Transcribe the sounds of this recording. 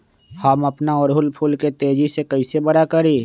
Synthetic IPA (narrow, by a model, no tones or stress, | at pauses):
hɐmɐpnaɔːɾɦʊlpʰʊlket̪eːd͡ʒisekɐisebɐɾakɐɾiː